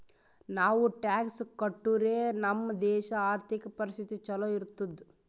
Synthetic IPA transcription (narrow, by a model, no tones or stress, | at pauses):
naːʋuʈaːkskɐʈːuɾeːnɐmːɐd̪ɛːʃɐaːɾt̪ʰikɐpɐɾist̪ʰit̪it͡ʃɐloiɾut̪ːud̪